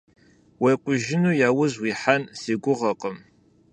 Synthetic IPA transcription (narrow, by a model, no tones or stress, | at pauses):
wejqʷʊʒɪnuːjaːwʊzwiːħanseːɡʷʊʁɐqəm